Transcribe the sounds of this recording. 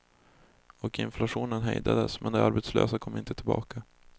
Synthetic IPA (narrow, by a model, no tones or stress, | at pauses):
ɔkɪnflaʂuːnənɦɛjd̪ad̪əsmʔɛnd̪ɛaɾbɛt̪slø̰ːsakʰɔmːɪnt̪ət̪ʰɪlbɑːka